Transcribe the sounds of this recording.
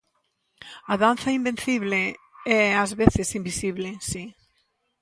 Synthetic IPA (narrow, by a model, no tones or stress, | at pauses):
aðanθɐimben̟θiβ̞lɪɛazβeθɪsimbisiβlɪsi